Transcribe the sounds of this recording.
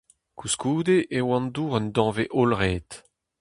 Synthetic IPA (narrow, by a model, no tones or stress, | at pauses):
kuskuːd̪eʔewɑ̃nduːʁənd̪ɔ̃ːveʔolʁeːt̪